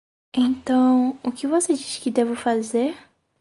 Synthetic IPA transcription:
ẽt̪ɐ̃w̃ʊkɪvosed͡ʒisɪ̥kɪd̪evʊfazeɾ

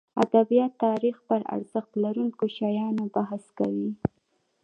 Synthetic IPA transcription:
a̰d̪abijɑt̪ːɑɾixpəɾa̰ɾzəxt̪laɾuŋkoʃɑjɑnobaɦaskawi

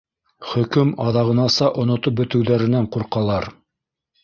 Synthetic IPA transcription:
χɵ̆kɵmɑðɑʁɤ̆nɑsɑʔŏnŏt̪op̚bɵ̆t̪ɘ̆wðæɾɘ̆næɴquɾqɑlˠɑɾ

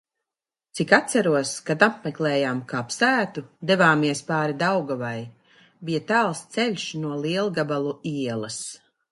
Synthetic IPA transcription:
t̪sikat̪sæɾuɔskat̪apmɛklˠɛːjaːmkaːpsæːt̪ud̪evaːmiɛspaːɾid̪awɡɔvaj | bijat̪aːlˠst̪sɛlʲʃnuɔliɛlˠɡabalˠuiɛlˠɐs

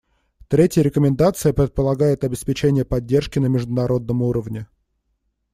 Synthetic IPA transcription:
t̪ɾʲetʲjəɾʲɪkəmʲɪnd̪at̪sɨjəpɾʲɪt̪̚pəlˠɐɡajɪt̪ɐbʲɪspʲɪt͡ɕenʲɪjəpɐdʲːe̞rʂkʲɪnəmʲɪʐd̪ʊnɐɾo̞d̪̚nəmuɾəvnʲɪ

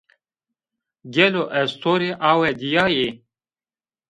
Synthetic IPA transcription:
ɡeloʔɛst̪ʰoɾeʔaːwed̪ijaːje

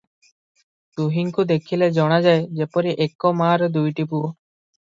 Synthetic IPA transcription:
t̪uɦiŋkud̪ekʰiled͡ʒɔɽ̃ad͡ʒaed͡ʒepɔɾiʔekɔmaɾd̪ujʈipu

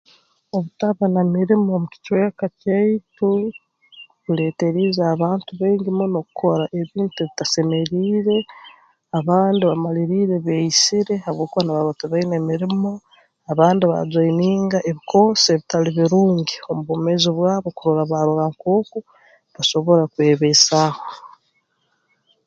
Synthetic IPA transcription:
o̞βutaβanamiɾimomuci̥cweːkaceitu | kule̞ːte̞ɾizaːβaːntuβeːɲɟimono̞kukʰo̞ɾaʔe̞βiːntueβitase̞me̞ɾiːɾe̞ | aβaːndiβamaliɾiːɾe̞βeisiɾe̞haβwo̞ːkuβanaβaɾoteβajnemiɾimo̞ | aβaːndiβa̰zwainiːŋɡaʔeβikʰo̞ːseβitaliβiɾuːɲɡio̞muβome̞ziβwaːβo̞kuɾoɾaβaɾoɾaŋkoːku | βaʃo̞βo̞ɾakwe̞ːβesaho̞

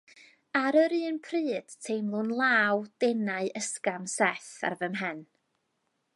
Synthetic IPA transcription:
aɾəɾɨːnpʰrɨːd̥tʰejmlˠʊnlˠaːwd̥ɛnaɨʔəskamsɛθa̰rvəmɦɛn

